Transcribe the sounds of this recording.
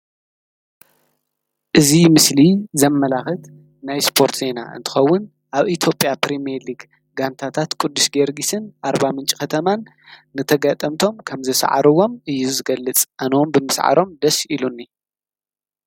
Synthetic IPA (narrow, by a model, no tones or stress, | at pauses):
ʔɨzimɨslizɐmːɐlaxɨt̪ | najspʰo̞ɾt̪ʰze̞na̰ʔɨ̰nt̪ʰɨ̥xɐwːʊn | ʔaβʔit̪ʰjo̞pʼjapɾimeliɡ | ɡant̪ʰat̪ʰat̪kʼud̪ːuʃɡeɾɡisɨnʔaɾbamɨnt͡ʃʼi̥xɐt̪ʰɐmanː | ɨt̪ʰɐɡat̪ʼɐmt̪ʰo̞mkʰɐmzɨsʕa̰ɾɨwo̞mʔɨjːuzɨɡɐlːɨt͡sʼʔanwombɨmɨsʕa̰ɾo̞md̪ɐsilunːi